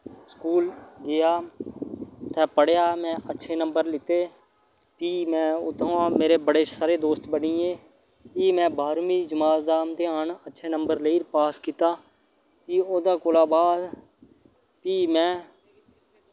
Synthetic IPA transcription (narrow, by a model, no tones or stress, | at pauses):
skuːlɡɪjaː | t̪ʰɛːpəɽjaːmɛ̃ːʔətːʃʰeːnəmbəɾlɪt̪eː | piːmɛ̃ːʊ̰t̪ʰõaːmeːɾeːbəɽeːsaːɾeːd̪oːst̪bəniːẽː | piːmɛ̃ːbaːɾmĩːd͡ʒəmaːt̪d̪aːmt̪eːaːnətːʃʰeːnəmbəɾleiːɾpaːskiːt̪aː | piːoːd̪aːkoːlaːbaːd̪ | piːmɛ̃ː